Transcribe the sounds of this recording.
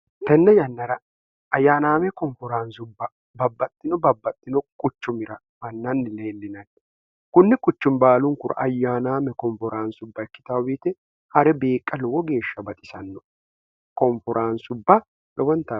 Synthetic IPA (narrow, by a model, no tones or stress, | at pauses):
t̪ɛnːɛjɐnːɐɾɐ | ɐjːaːnaːmɛkɔɱfɔɾansʊbːɐ | bɐbːɐt̪ʼːɪnɔbɐbːɐt̪ʼːɪnɔkʼʊt͡ʃːʊmɪɾɐ | mɐnːɐnːɪle̞ːlːɪnɐn | kʊnːɪkʼʊt͡ʃːʊnbaːlʊŋkʊɾɐ̰ʔɐjːaːnaːmɛkɔɱfɔɾaːnsʊbːɐɛkːɪ̥t̪awiːt̪ɛ | hɐɾɛbe̞ːkʼːɐlɔwɔɡe̞ːʃːɐbɐt̪ʼɪsɐnːɔ | kɔɱfɔɾʔaːnsʊbːɐ | lʔɔwɔnt̪ɐ